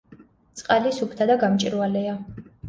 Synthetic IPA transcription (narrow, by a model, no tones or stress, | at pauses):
t̪sʼqʼalisupʰt̪ʰad̪aɡamt͡ʃʼiɾvalɛa